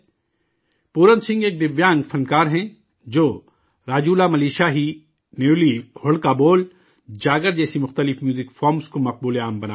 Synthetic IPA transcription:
puːɾənsɪ̃ŋɡeːk̚d̪ɪʋjãːŋɡfʰɐnkaːɾɦɛ̃ | d͡ʒoː | ɾaːd͡ʒuːlamɐliːʃaɦi | neːlihʊɽkaboːl | d͡ʒaːɡəɾd͡ʒɛːsimʊxt̪əlɪfmjuːzɪkfɔːɾmskomɐq̚buːleaːmbɐna̰ː

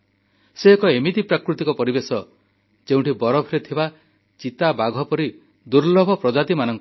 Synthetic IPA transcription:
seekɔemit̪ipɾakɾut̪ikɔpɔɾibesɔ | d͡ʒeũʈibɔɾɔbʱɔɾet̪ʰiba | t͡ʃit̪abaɡʱɔpɔɾi | d̪uɾlɔbʱɔpɾɔd͡ʒat̪imanɔŋkɔ

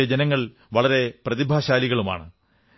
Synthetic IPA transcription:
ed͡ʑenɐŋːɐɭ | ʋɐɭɐɾe̞prɐðibʱaːɕaːliɣɐɭuma̰ːɳɨ

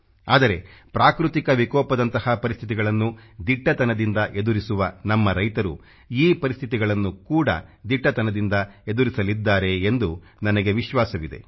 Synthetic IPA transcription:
a̰ːd̪ɐɾe̞pɾaːkɾut̪ikɐʋikɔːpɐd̪ɐnt̪ɐhɐpɐɾist̪ʰit̪iɡɐɭɐnːud̪iʈːɐt̪ɐnɐd̪ind̪ɐʔe̞d̪uɾisuʋɐnɐmːɐɾɐjt̪ɐɾṵ | iːpɐɾist̪ʰit̪iɡɐɭɐnːukuːɽɐ̰d̪iʈːɐt̪ɐnɐd̪ind̪ɐe̞d̪uɾisɐlid̪ːaːɾe̞ːnd̪u | nɐnɐɡe̞ʋiʃʋaːsɐʋid̪e̞̰

